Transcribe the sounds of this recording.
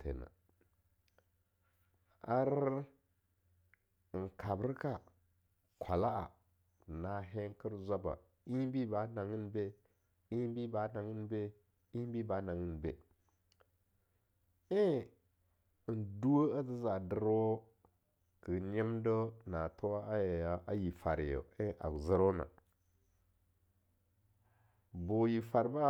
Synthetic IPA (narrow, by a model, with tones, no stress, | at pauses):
tʰḛ˨na̰˨ | a˦ɾ | ŋ̩˨kʰa˨bɾka˦˨ | kʷʰa˨la˦ʔa˨ | na˨ɦe˦ŋkə˦ɾzʷa˦ba̰˨ | i˦bi˦ba˨˦na˨ŋi˦nbe˦ | i˦bi˦ba˨˦na˨ŋi˦nbe˦ | i˦bi˦ba˨˦na˨ŋi˦nbḛ˨ | e˦˨ | ndu˦wo˦a˦zi˦za˨də˦ɾo˦ | kə˨ɲi˦mdə˦na˨to˦wa˦a˦ja˦ʔa˦ji˨fa˨ɾjo̰˨e˦a̰˨zə˦ɾo˦na̰˨ | bo˨ji˨fa˨ɾba˦